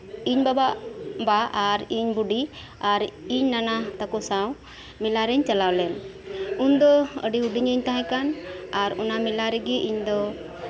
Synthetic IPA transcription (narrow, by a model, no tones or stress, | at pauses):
iɲbababaʔaɾiɲbuɖi | aɾiɲnanat̪akɔsaw | milaɾɛɲt͡ʃalawlɛnund̪ɔə̰ɖiuɖiɲəɲt̪aɦãkanaɾɔnamilaɾɛɡɛʔiɲd̪ɔ